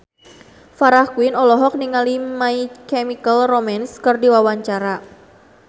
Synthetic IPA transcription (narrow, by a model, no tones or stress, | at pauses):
faɾahkuɪnɔlɔɦɔk̚niŋalimaikɛmikəlromanskərdiwawaɲt͡ʃaɾa